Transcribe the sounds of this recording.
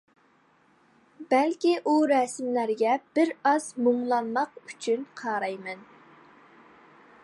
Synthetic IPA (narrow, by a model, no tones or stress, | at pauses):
bɛlkʲiʔuɾɛsmlæɾɡʲɛb̥ɪɾɑz̥moŋlˠɑnmɑqyt͡ʃʰynqʰɑːɾɑjmɛn